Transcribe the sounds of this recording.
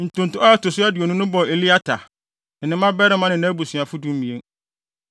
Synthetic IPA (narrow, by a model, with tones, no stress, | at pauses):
n̩˨tʊ̃˨n̩˨tʊ̃˦ɔ˦ɛ˦tʊ˨sʊ˦æ˦dɪ˨o˨nʊ̃˦nʊ̃˦bɔ˨e˨li˦a˦tʰa˨ | n̩˨nɪ̃˦mã˦bɛ˦ɾɪ˦mã˦nɪ̃˨nã˦bu˨sɥ̃a˨fʊ˦dũ˦m˦mĩ˨e˦ŋ